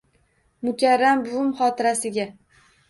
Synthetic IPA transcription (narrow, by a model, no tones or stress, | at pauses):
mʊkʲʰaɾːambʊʊmχɒt̪ʰɪɾasɪɡʲa